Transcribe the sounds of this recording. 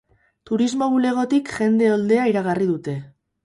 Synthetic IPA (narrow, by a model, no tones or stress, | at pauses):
t̪uɾizmo̞ɣule̞ɣ̞o̞t̪ikʝe̞nd̪e̞old̪e̞aiɾaɣariðut̪e̞